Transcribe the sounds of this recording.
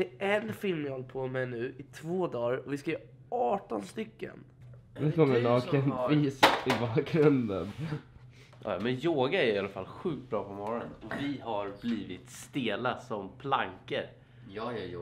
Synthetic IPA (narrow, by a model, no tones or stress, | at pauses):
d̪ɛɛnfɪlmjhɔlːpʰɔmɛjnʉ̟ːʔɪt̪ʰvoːd̪ɑːɾɔvɪskajœː | ɑːʈɔnst̪ʏkːə̰n | nɛkʰɔmːənɑːkʰənviːsɪbɑːkɾɵnd̪ən | jɑ̰ːjmɛnjoːɡaɛɾɪalafalɧʉ̟ːk̚t̪̚bɾɑːpʰɔmɔɾɔnənɔvɪhaɾbliːvɪt̪st̪eːlasɔmpʰlaŋkəɾ | j